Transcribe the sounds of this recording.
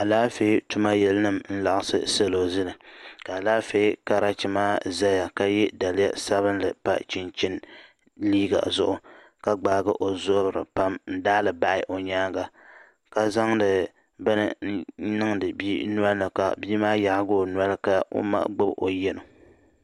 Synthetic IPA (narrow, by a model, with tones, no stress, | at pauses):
a˨laː˦fe˦tu˦ma˦jɛ˦lɨ˦nɨ˦mn̩˦la˨ʔɨ˨sɨ̰˦se˦lo˨zɨ˦lɨ˨ka˨a˨laː˦fe˦ka˦ɾa˦t͡ʃi˨maː˦za˦ja˨ka˦jɛ˦da˨lɪ˦ja̰˦sa˦βɨ˦nlɨ˨pa̰˦t͡ʃi˦nt͡ʃɪ˦n | liː˦ɡa̰˨zʊ̰˦ʔʊ˨ | ka˦ɡ͡baː˨ɡɨ˦ʔo˨zʊ˦bɾɨ̰˨pa˦mn̩˦daː˦lɨ˨ba˦ʔɪ̰˦ʔo˨ɲaː˦ɡa˨ | ka˨za˦ŋdɨ˨ | bɨ˦nɨ˦˨˦nɨ˦ŋdɨ˨biː˦nu˦a˦lnɨ˨ka̰˨biː˦maː˦ja˨hɡoː˦n˦a˦lɨ˦ka˨ʔo̰˦ma̰˦ʔɡ͡bɨ˦bo̰˨jɛ˦no˨